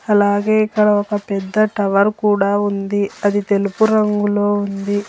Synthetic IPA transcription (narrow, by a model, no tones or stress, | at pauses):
ɐlaːɡe̞ːikːɐɽɐokɐpɛd̪ːɐʈɐʋɐɾkuːɽaːund̪iɐd̪it̪e̞lupuɾɐŋɡulo̞ːund̪i